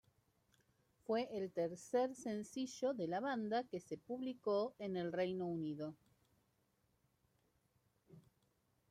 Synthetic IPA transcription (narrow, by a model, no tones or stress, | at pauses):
fweʔelt̪eɾseɾsensiʒoðelaβand̪akesepuβlikoenelrejnouniðo